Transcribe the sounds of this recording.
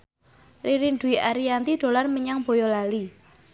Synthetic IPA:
riɾinɖ̪uiʔaɾijant̪id̪̥o̤larməɲaŋb̥o̤jolali

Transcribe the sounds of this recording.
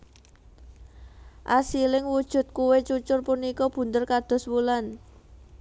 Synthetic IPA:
ʔasilɪŋwud̥ʒ̥ṳt̪̚kuwet͡ʃut͡ʃʊrpunikɔb̥ṳnt̪ərkad̪̥ɔ̤swulan

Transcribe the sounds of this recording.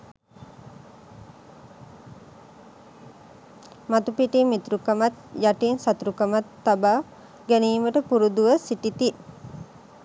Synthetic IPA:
mat̪upiʈimːit̪ɾukəmat̪jaʈinsat̪uɾukəmat̪ːaba | ɡæniːməʈəpuɾud̪uʋəsiʈit̪i

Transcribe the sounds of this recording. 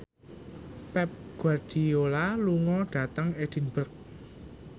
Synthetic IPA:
pɛp̚ɡ̥ward̥iolaluŋɔɖ̥ä̤t̪əŋed̥i̤nb̥ərk̚

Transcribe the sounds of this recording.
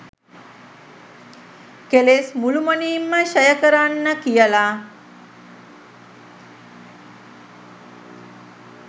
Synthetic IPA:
kelesmulumoniːmːəʃəjəkəɾanːəkijəla

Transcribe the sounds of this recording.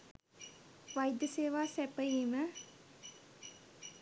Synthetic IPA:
ʋajd̪jəseːʋaːsɛpəjiːmə

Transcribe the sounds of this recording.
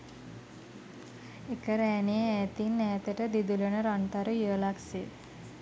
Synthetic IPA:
ekəɾɛːnieæːt̪inːɛːt̪əʈəd̪id̪ulənəɾant̪aɾujəːlakse

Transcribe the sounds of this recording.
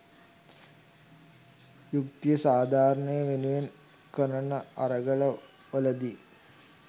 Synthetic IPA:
jukt̪ijəsaːd̪ʱaːɾəɳəjəʋenuʋen | kənənəaɾəɡələ | ʋələd̪i

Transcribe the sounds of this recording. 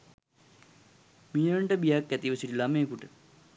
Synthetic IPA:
mijəɳʈəbijakːæt̪iʋəsiʈilamekuʈə

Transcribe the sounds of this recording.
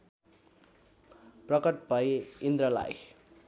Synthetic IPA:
prʌkʌʈ̚pʌjind̪ɾʌla̰j

